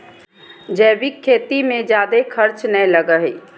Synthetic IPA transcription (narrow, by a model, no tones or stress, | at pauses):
d͡ʒɛːbikʰːeːt̪imẽd͡ʒjaːd̪ekʰəɾt͡ʃnələɡəɦi